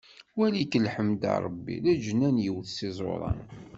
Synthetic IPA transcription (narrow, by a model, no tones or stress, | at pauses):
wælikəlħəmd̪ɑ̰ɾˤəbːḭlæd͡ʒənːænjəwθsɪzˤo̰ɾˤɑ̰n